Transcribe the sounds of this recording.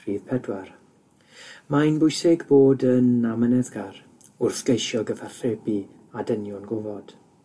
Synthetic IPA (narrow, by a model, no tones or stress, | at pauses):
r̥iːðpʰɛdwar | majnbʊɨsɪɡboːdənamənɛðɡar | ʊrθɡ̥ejʃjɔɡəvarɬɛbi | adənjʊnɡʊvɔd̥